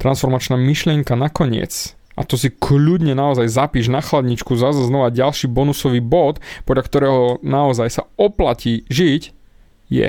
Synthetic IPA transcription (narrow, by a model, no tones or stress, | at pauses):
t̪ɾansfɔɾmat͡ʃnaːmiʃlɪɛŋkanakɔɲɪɛ̰t͡s | ʔa̰t̪ɔs̬ikʰʎud̪ɲɛnaɔzajzapiːʒnaxlad̪ɲit͡ʃkuzazaznɔʋaɟalʃiːbɔnusɔʋiːbɔt̪pɔd̪lʎakt̪ɔɾɛːɦɔnaɔzajsaɔplaciːʒic | jɛ̰